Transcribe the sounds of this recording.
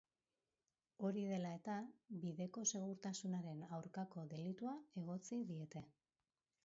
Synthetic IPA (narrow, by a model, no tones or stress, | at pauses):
o̞ɾiðe̞lae̞t̪aβiðe̞ko̞se̞ɣ̞uɾt̪asunaɾe̞nawɾkako̞ðe̞lit̪uae̞ɣ̞o̞t͡siðie̞t̪e̞